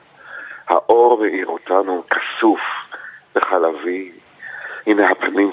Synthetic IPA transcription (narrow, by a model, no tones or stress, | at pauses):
ha̰ʔoʁmeʔiʁotanumkʰḁsufb̥eχalavi | imehapanim